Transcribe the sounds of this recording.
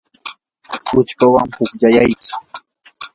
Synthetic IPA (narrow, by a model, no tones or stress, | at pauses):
hʊt͡ʃpawaŋhʊkʎajajt͡sʊ̥